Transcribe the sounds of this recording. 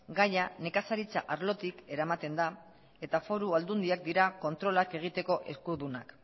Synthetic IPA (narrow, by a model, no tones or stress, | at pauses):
ɡajane̞kasaɾit͡sa̰ʔaɾlo̞t̪ike̞ɾamat̪e̞nd̪a | e̞t̪afo̞ɾuald̪und̪iak̚d̪iɾako̞nt̪ɾo̞lake̞ɣ̞it̪e̞ko̞ʔe̞̰skuðuna̰k